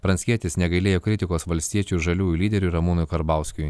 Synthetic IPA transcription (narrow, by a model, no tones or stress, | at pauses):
pɾɐnʲsʲkʲiɛt̪ʲɪsnʲɛɡɐɪlʲeːjoːkʲɾʲɪt̪ʲɪkoːsʋɐlʲsʲt̪ʲiɛt͡ʃʲuːʒɐlʲuːjulʲiːd̪ʲɛɾʲuɾɐmuːnʊjkɐɾbɑˑʊsʲkʲʊj